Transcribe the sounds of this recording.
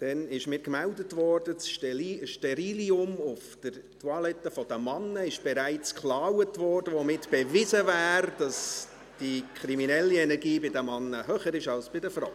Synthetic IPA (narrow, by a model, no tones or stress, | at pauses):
d̥ɛnɪʃmɪːɾkmældətʋɔrd̥əsʃtɛʃtɛɾiːliʊmʊfd̥əɾ | twɑlɛtːəfɔd̥əmɑnːəɪʃb̥ɛɾæɪt͡skχlɑːwətʋɔːrdəʋomɪtb̥ɛvɪzəvæːɾd̥ɑs | d̥ikχɾiminɛlːiɛnɛɾɡiːbɪdəmɑnːəɦøːχəɾɪʃɑlsb̥ɪdəfraʊ